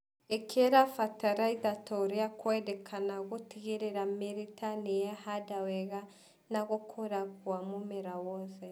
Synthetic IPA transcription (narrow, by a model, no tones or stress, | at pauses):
ekʰeɾafataɾaiðatoɾeakwɛdɛkʰanaɣotiɣeɾeɾameɾitʰanejahadawɛɣa | naɣokʰoɾaɣwamomeɾawɔθɛ